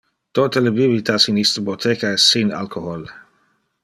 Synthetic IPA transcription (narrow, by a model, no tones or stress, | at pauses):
t̪ot̪əlebiblit̪asinist̪əbot̪ʰekaɛsːina̰lkʰohol